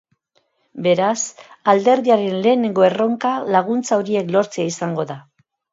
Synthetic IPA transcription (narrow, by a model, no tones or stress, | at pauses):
be̞ɾas | ald̪e̞ɾðiaɾe̞nle̞ːne̞ŋɡo̞e̞ro̞ŋkalaɣ̞unt͡saoɾie̞klo̞ɾt͡seaisaŋɡo̞ða